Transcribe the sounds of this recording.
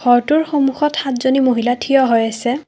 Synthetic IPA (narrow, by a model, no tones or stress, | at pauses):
xɔɹtuɹxomuxɔtxatzonimoɦilatʰijɔɦojasɛ